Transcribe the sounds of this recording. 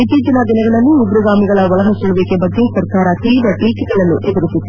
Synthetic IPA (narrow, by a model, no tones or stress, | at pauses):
it̪ːiːd͡ʒɐnɐd̪inɐɡɐɭɐnːuubɾuɡaːmiɡɐɭɐʋɐɭɐɦɐsuɭɐʋeːkebɐɡːe̞sɐɾkaːɾɐt̪iːbɾɐʈiːkiɡɐɭɐnːuʔed̪uɾusit̪ː